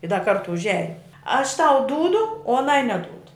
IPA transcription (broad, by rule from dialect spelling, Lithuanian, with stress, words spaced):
ɪ dɐ ˈkɐrtʊ ʊʒʲˈæːjʊm ɐʃ tɐʊ ˈduːdʊ oː ɐˈnɐɪ nʲɛˈduːdʊ